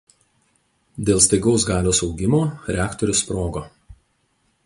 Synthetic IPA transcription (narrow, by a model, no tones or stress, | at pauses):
d̪ʲeːlˠst̪ɐɪɡɒʊs̬ɡɑːlʲoːsɒʊɡʲɪmoːɾʲɛæːkt̪ɔɾʲʊspɾoːɡoː